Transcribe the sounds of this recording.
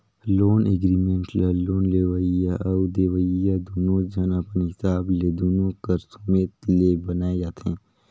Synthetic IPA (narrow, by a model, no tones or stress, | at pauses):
loːneːɡɾiːmẽɳʈleloːnleːʋəijaʔɐwd̪eːʋəijad̪uːnõd͡ʒɐnɐpniɦɪsaːbleːd̪uːnõkəɾsumeːt̪leːbənaːejat̪ʰɛ̰̃ː